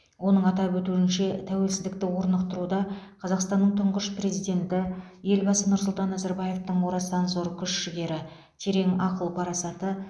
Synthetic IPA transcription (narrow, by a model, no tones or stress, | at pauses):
wo̞nəɴɑt̪ɑpwɵt̪uɪnʃe̞t̪ʰæwe̞lsɪzd̪ɪk̚t̪ɪwo̞ɾnəqt̪əɾud̪ɑqʰɑzɑqst̪ɑnːəɴt̪ʰʊɴʁəʃpre̞zijd̪e̞nt̪ɪje̞lbɑsənʊɾs̬ʊlˠt̪ɑnːæzaɾbɑje̞ft̪əɴwoɾɑsɑnzoɾkʲʰʏʃʃɪɡʲe̞ɾɪ | t̪ʰe̞ɾe̞ŋɑqəlˠpʰɑɾɑsɑt̪ə